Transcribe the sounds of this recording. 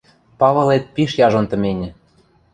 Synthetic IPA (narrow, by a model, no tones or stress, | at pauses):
pɑβɤ̆let̪̚piʃjɑʒŏnt̪ə̆menʲɘ̆